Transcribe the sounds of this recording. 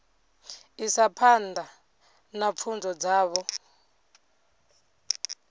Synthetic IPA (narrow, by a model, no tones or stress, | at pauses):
isapʰanda | nap̪fʰund͡zɔd͡zaːβɔ